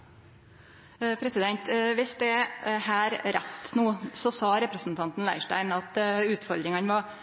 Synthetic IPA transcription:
pʰɾɛsɪd̪ɛnt̪ʋɪsd̪ɛhæːɾɾɛt̪ːnuːsɔsɑːɾɛpɾəsn̩t̪ʰɑnt̪n̩læ̰ɪʂʈæ̰ɪnɑt̪ʉːt̪fɔɾd̪ɾɪŋɑnʋɑ

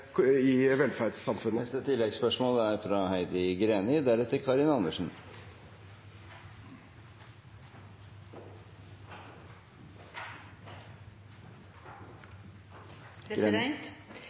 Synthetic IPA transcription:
ɪʋɛlfæɾɖsɑmfʉnːəɛst̪ət̪ʰɪlːɛɡspœʂmoːləæɾfɾɑhæɪd̪ɪɡɾeːnɪd̪æɾɛt̪ːəɾkʰɑɾɪnɑnəʂn̩

